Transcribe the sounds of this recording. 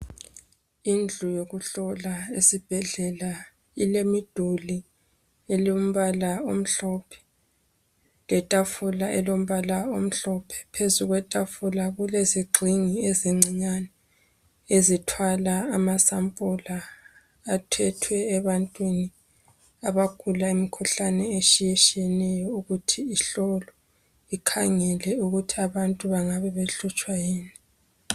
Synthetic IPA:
ind͡ɮʱujoɣuɬɔlaesib̥ʱɛɮɛla | ilemid̥ʱuli | elom̩βalaom̩ɬɔpʰɛ̥ | ŋɛtʼafulaʔɛlom̩βalaom̩ɬɔpʰɛ̥pʰezuɣwɛtʼafulaɣuleziɡ͡ǀʱiŋieziŋ͡ǀiɲanɛ | ezitʰwalaːmasampʼulaː | tʰɛtʰwɛːβantʼwini | aβakʰulaimikʰuɬanɛet͡ʃʼijet͡ʃʼiɛnɛjɔuɣutʰiiɬɔlɔ | ikʰaŋɛlɛuɣutʰiaβantʼuβaŋaβɛβeɬut͡ʃʼwajiːni

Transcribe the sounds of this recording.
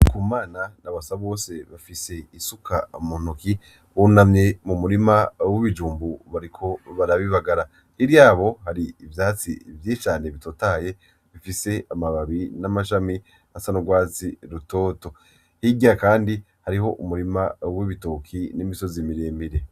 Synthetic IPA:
kumaːnanaβasaβo̞ːse̞βafise̞isukʰaumon̥oki | unamɲe̞mumuɾimawiβid͡ʒuːmbuβaɾikʰo̞βaɾaβiβaɡaɾa | hiɾjaːβo̞haɾiːvjaːt͡sḭvjit͡ʃaːne̞βito̞taje̞ | βifise̞amaβaβinamaʃ̬ami | asanuɡwaːt͡siɾuto̞ːto̞ | hiɡiakaːndi | haɾiɦo̞ʔumuɾimawiβitokʰinimiso̞zimiɾe̞ːmiɾe̞

